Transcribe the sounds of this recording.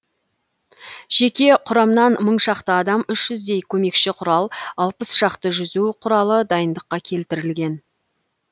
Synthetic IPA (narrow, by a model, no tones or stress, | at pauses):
ʒ̥e̞kʲe̞qʰʊɾɑmnɑnməɴʃɑqt̪əɑd̪ɑmʏʃʒ̥ʏzd̪e̞jkʲʰɵme̞kʃɪqʰʊɾɑlˠɑlˠpəsʃɑqt̪əʒʏzuqʰʊɾɑlˠəd̪ɑjənd̪əqːɑkʲʰe̞lt̪ɪɾɪlɡʲe̞n